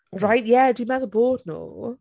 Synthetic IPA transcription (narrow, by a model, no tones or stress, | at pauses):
ɹaɪʔjædəjəmɛðəbɔːdⁿno̰